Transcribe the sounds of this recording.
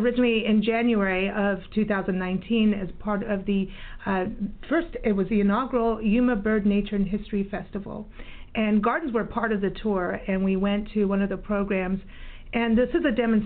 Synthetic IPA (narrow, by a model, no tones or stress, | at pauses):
əɹɪsn̩ʔliɪ̃nd͡ʒæ̃njʉɛɹiʌv̥tʰʉθaʊzɨ̃n̩nãɪ̃ntʰĩnɨz̥pʰɑɹɾʌvðɨ | fɜ˞stɨt̚wʌziɨnɑɡl̩ˠjʉmɨbɜ˞dⁿneɪt͡ʃə˞ɨ̃nɦɪstɹ̥ifɛstəvl̩ˠʔɨ̃nɡɑɹdⁿn̩zwə˞pʰɑɹɾʌvðɨtʰʊɹɨ̃nwiwɛ̃ntʰɨwʌ̃nʌvðɨpʰɹ̥oʊɡɹæ̃mz | ʔɨ̃nðɪsɨzɨdɛmɨ̃n̩s